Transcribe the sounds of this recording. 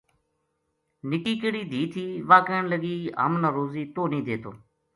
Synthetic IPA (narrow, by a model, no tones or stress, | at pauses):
nɪkiːkɪɽiːd̪ʱiːt̪ʰiːʋaːkəːɳləɡiːɦə̰mnəɾoːziːt̪oːnĩːd̪ʱeːt̪ʰo̰ː